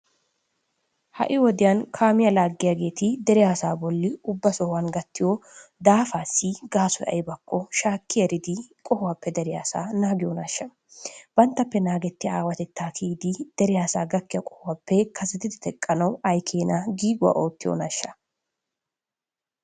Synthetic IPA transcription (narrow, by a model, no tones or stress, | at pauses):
hɐ̰ʔɪwɔd̪ɪjɐnkʰaːmɪjɐlaːɡːɪjaɡe̞ːt̪ɪd̪ɛɾɪjaːsaːbɔlːɪʊbːɐsɔwanɡɐt̪ːɪjod̪aːfaːsːiɡaːsɔjɐ̰jbɐkːɔʃaːkːɪjɐɾɪd̪ɪkʼɔhʊwɐpːɛd̪ɛɾɪjaːsa̰ːnaːɡɪjoːnɐʃːɐ | b̥ɐnt̪ːɐpːɛnaːɡɛt̪ːɪaːwɐt̪ɛt̪ːaːkʰiːd̪ɪd̪̥ɛɾɪjaːsaːɡɐkːɪjɐkʼɔ̥hʊwɐpːɛkʰɐsɛt̪ɪt̪ɪt̪ɛkʼːɐnɐwɐjkʰeːnɐɡiːɡʊwa̰ʔo̞ːt̪ːɪjo̰nɐʃːɐ̥